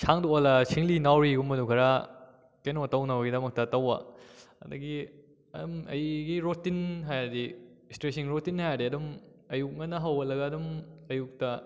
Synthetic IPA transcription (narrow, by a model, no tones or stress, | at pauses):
sʰaŋdoolɐsʰiŋlinawɾiɡumːɐdukʰɐɾa | kenotɐwnɐβɐɡidɐmɐk̚tɐtɐwɐ̰ɐ̰dɐɡi | ɐdumɐ̰jɡiɾotinɦajadistɾes̬iŋɾotinhajadiɐdum | ɐjuk̚ŋɐnɐɦɐwbɐt̚lɐɡɐːdumɐjuk̚tɐ